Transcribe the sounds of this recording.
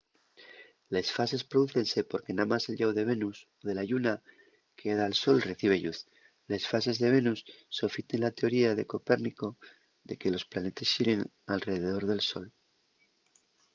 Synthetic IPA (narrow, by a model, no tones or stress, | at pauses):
lesfase̞spɾoðuθe̞nse̞po̞ɾke̞namase̞lʎawðe̞β̞e̞nusoðe̞laʝuna | keeðaːlso̞lre̞θiβ̞e̞ʎuθ | le̞sfase̞zðe̞β̞e̞nusːo̞fit̪enlat̪e̞o̞ɾiaðe̞ko̞pe̞ɾniko̞ | ðe̞ke̞lo̞splane̞t̪esiɾeŋ | alre̞ðeð̞o̞ɾðe̞lso̞̰l